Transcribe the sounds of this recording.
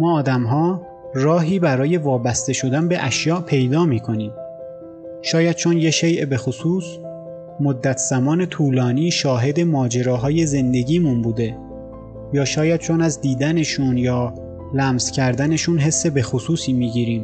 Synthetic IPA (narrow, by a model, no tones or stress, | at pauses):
mɒːd̪æmɦɒː | rɒːɦiːbæɾɒːje̞vɒːbæst̪e̞ʃo̞d̪ænbe̞ʔæʃjɒːʔpʰe̞jd̪ɒːmiːkʰo̞niːm | ʃɒːjæd̪̥̚t͡ʃʰonjeʃe̞jʔbe̞xosuːs | mod̪ːæt̪ʰz̥æmɒːne̞t̪ʰuːlɒːniːʃɒːɦe̞d̪e̞mɒːd͡ʒe̞ɾɒːɦɒːje̞ze̞nd̪e̞ɟiːmunbuːd̪e̞ | jɒːʃɒːjæd̪̚t͡ʃʰo̞næzd̪iːd̪æne̞ʃuːnjɒː | læmz̥cʲʰæɾd̪æne̞ʃuːnɦe̞sːe̞bexosuːsiːmiːɟiːɾiːm